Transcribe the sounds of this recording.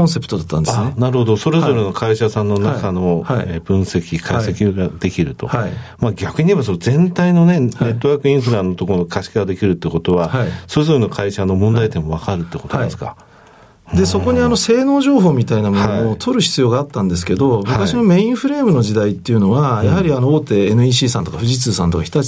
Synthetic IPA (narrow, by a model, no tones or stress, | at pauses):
õse̞pɯ̟̥t̪o̞d̪at̪ːãnd̪asnaɾɯ̟ho̞d̪o̞so̞ɾe̞zo̞ɾe̞no̞kʰaiɕasãnːo̞nakano̞aeːbɯ̟̃ɰ̃se̞kʲikʰaise̞kʲiɡad̪̥e̞kʲiɾɯ̟t̪o̞̰amaɡʲakɯ̟ɲ̟iβaso̞nozẽ̞nt̪aino̞ne̞ne̞t̪ːo̞βaːkɯ̟ĩɰ̃ɸɯ̟ɾãnːot̪o̞koɾonokʰaɕi̥kaad̪e̞kʲiɾɯ̟t̪ːeɯko̞t̪o̞βahsoes̬oɾɯnokʰaiɕano̞mõ̞nd̪ait̪emo̞β̞akaɾɯ̟t̪ːeko̞t̪od̪esɨ̥ka̰ | d̪e̞so̞ko̞ɲ̟iano̞se̞ːno̞ːʑo̞ːɦo̞ːmʲit̪ainamonoot̪ʰo̞ɾɯ̟çi̥t͡sɨjo̞ːɡaːt̪ːãnd̪e̞sɨ̥ke̞d̪o̞mɯ̟kaɕino̞me̞ĩɰ̃ɸɯ̟ɾe̞ːmɯ̟no̞ʑid̪ait̪ːe̞iɯ̟no̞βajaɦaɾʲiano̞oːt̪e̞ːnɯ̟iːɕiːsãnt̪okaɸɯ̟ʑit͡sɨːsãnt̪o̞kaçi̥t̪a